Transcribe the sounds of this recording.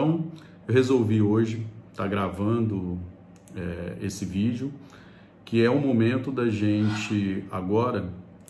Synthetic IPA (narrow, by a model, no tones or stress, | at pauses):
t̪ɐ̃w̃ | ewɦezowvioʒɪt̪aɡɾavɐ̃d̪ʊ | ɛesɪvid͡ʒʊ | kɪɛʊ̃momẽnt̪ʊd̪ɐʒẽt͡ʃɪaɡɔɾɐ